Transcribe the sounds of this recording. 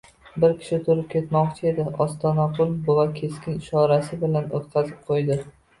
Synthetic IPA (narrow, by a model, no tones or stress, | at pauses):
bɪɾkʲʰɪ̥ʃɪt̪ʰʊɾɪp̚kʲʰe̞t̪mɒqt͡ʃʰɪe̞d̪ɪʔɒst̪ɒnɒqʰʊlˠbovakʲʰe̞skʲɪnɪʃɒɾasɪbɪlanot̪qʰɑzɪp̚qʰojd̪ɪ